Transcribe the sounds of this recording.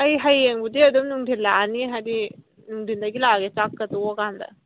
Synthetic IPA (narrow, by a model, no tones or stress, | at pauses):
hɐjɦɐjeŋbud̪iɐd̪umnuŋd̪ʱilaːniɦɐɾi | nuŋdʱind̪ɐɡilaɡet͡ʃakːɐt̪uokand̪ɐ̰